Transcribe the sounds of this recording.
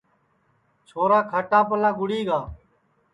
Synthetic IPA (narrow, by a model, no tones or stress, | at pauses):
t͡ʃʰoːɾaːkʰəʈãːpəlãːɡʊɽiːɡaː